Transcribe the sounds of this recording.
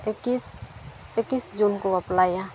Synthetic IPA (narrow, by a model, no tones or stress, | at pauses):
kis | ekisd͡ʒunkoəplaːjã